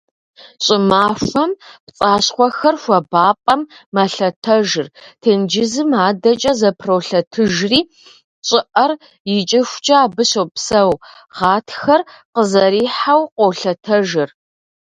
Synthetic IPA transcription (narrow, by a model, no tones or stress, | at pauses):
ɕʼɪmaːfɐmpt͡sʼaːɕχʷɔxɐrxʷɐbaːpʼɐmːɐɬɐtʰɐʒɨrtʰeːnd͡ʒɪzɨmaːdɐt͡ʃʼɐzɐpʰrowɬɐtʰɨʒriː | ɕʼɪʔɐr | jɪt͡ʃʼɪxʷt͡ʃʼɐaːbɨɕowpsɐw | ʁɑːtʰxɐrqəzɐɾiːħawqʷowɬɐtʰɐʒɪr